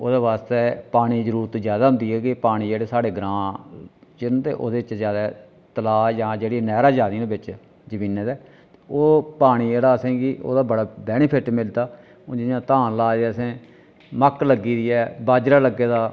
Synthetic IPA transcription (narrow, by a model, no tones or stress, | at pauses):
oːd̪eːβaːst̪eːpaːɽ̃iːd͡ʒəɾuːɾt̪zjaːd̪aːɦʊ̃nd̪iːɛːkɪpaːɽ̃iːeːɽeːsaːɽeːɡɾãː | t͡ʃɪnːt̪ḛːʔo̰ːd̪eːɪt͡ʃzjaːd̪aː | t̪əlaːjãːd͡ʒeːɽĩːnɛːɾaːd͡ʒaːd̪ĩːd̪ebɪt͡ʃ | d͡ʒəbiːnːeːd̪ɛː | oːpaːɽ̃iːeːɽaːəsẽːkɪʔo̰ːd̪aːbəɽaːbɛːnepʰɪʈmɪld̪aː | od͡ʒɪnjãːt̪ãːlaːeɛːəsẽː | məkləɡːiːd̪iːɛːbaːd͡ʒɾaːləɡeːd̪aː